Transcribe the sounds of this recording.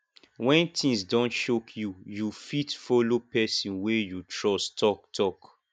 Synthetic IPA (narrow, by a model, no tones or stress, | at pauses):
wɛ̃ntʰĩŋsdɔ̃ntʃokʰjujufitfɔlopɛsĩnwejutɹɔstʰɔk̚tʰɔk